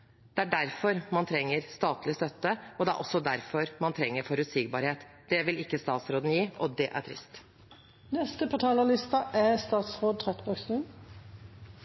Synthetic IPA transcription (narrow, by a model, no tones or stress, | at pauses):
d̪̥ɛæɖæɾfɔɾmɑnt̪ʰɾɛŋːəɾst̪ɑːt̪lɪəst̪œt̪ːəɔd̪ɛæ̰ʔɔ̰sːɔd̪æɾfɔɾmɑnt̪ʰɾɛŋːəɾfɔɾʉt̪siɡbɑːɾheːt̪ | d̪̥ɛʋɪlɪkːəst̪ɑːt̪sɾoːd̪n̩jiːɔd̪ɛʔæ̰ʈʰɾɪ̰st̪ | nɛst̪əpʰɔt̪ʰɑːləlɪst̪ɑʔæst̪ɑːt̪sʁoːd̪̚t̪ʰʁɛt̪bœɡsʉn